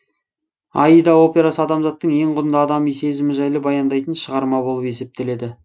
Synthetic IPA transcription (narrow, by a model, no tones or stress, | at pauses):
ɑ̰ijd̪ɑo̞pʲe̞ɾasəɑd̪ɑmzɑt̪ːəɴje̞ɴqʊɾənd̪ɑd̪ɑmijse̞zɪmɪʒɑjlˠəbɑjɑnd̪ɑjt̪ənʃəʁɑɾmɑbolˠəpe̞se̞p̚t̪e̞le̞d̪ɪ